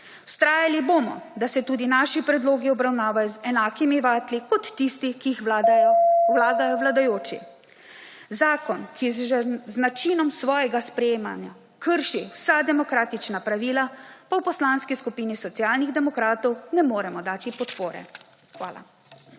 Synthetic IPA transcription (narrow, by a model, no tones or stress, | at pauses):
uwst̪ɾaːjalibomɔ̰d̪asɛt̪uːd̪inaːʃipɾɛd̪loːɡiɔbɾawnaːʋajɔzɛnaːkimiʋaːt̪likɔt̪ːist̪ikix | wlaːd̪ajɔwlad̪ajoːt͡ʃḭ | zaːkɔnkʰiznat͡ʃinɔmsʋɔːjɛɡaspɾɛjeːma̰nja | kəɾʃiwsad̪ɛmɔkɾaːt̪it͡ʃnapɾaʋiːlapawpɔslanskiskupiːnisɔt̪siaːlniɣd̪ɛmɔkɾaːt̪ɔwnɛmoːɾɛmɔd̪aːt̪ipɔt̪poːɾɛ̰ | xʋa̰ːla̰